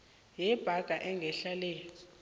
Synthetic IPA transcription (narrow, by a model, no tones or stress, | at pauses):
jɛb̥ʱaɡ̥ʱaʔɛŋɡʱɛɬaleːjɔ